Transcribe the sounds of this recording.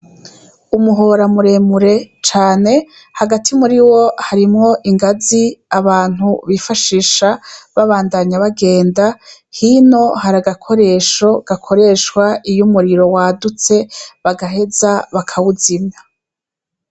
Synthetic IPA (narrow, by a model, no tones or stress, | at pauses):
umuɦo̞ɾamuɾe̞muɾe̞t͡ʃaːne̞ | haɡatʰimuɾiwo̞haɾimŋo̞ʔiŋɡaziaβaːn̥huβifaʃiːʃaβaβaːndaɲaβaɡe̞ːnda | hino̞haɾaɡakʰo̞ɾe̞ːʃo̞ɡ̥akʰo̞ɾe̞ʃkwaijumuɾiɾo̞waːdut͡se̞βaɡaɦe̞zaβakʰawuzimɲa